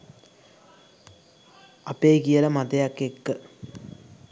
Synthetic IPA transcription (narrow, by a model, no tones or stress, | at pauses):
ɐpeːɡijɐlɐmɐd̪ɐjakːekːɨ